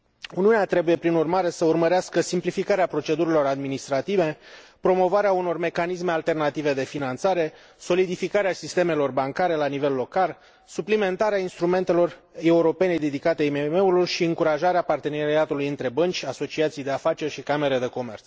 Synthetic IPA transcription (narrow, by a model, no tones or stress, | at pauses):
uniuneat̪ɾe̞buje̞pɾinurmaɾe̞səurməɾeaskəsimplifikaɾeapɾo̞t͡ʃe̞d̪uɾilo̞ɾad̪minist̪ɾat̪ive̞pɾo̞mo̞vaɾeauno̞rme̞kanisme̞alt̪e̞rnat̪ive̞d̪e̞finant̪saɾe̞ | so̞lid̪ifikaɾeasist̪e̞me̞lo̞rbaŋkaɾe̞lanive̞lːo̞kal | suplime̞nt̪aɾeainst̪ɾume̞nt̪e̞lo̞r | e̞uɾo̞pe̞ned̪ed̪ikat̪e̞imeme̞ulurʃiɨŋkuɾaʒaɾeapart̪e̞neɾiat̪ulujɨnt̪ɾe̞bənt͡ʃʲaso̞t͡ʃiat̪sijd̪e̞afat͡ʃe̞rʲʃikame̞ɾe̞d̪e̞ko̞me̞rt̪s